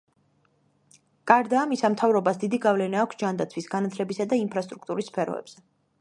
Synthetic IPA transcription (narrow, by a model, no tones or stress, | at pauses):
kʼaɾd̪aːmisamt̪ʰavɾɔbasd̪id̪iɡavlɛnaːkʷʰsd͡ʒand̪at̪sʰwisɡanat̪ʰlɛbisad̪aimpʰɾast̪ʼɾukʰt̪ʼuɾisːpʰɛɾɔ̰ɛ̰b̥z̥ɛ